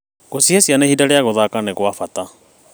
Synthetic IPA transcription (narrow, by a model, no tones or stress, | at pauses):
ɣosihasianehidaɾɛaɣʊðakanɛɣwafat̪a